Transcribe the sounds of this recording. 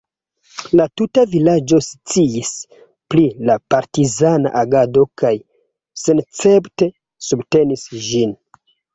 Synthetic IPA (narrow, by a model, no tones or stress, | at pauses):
latutavilad͡ʒo̞st͡siis | plilapaɾtizana̰ʔaɡado̞kaj | se̞nt͡se̞pte̞ | subte̞nisʒin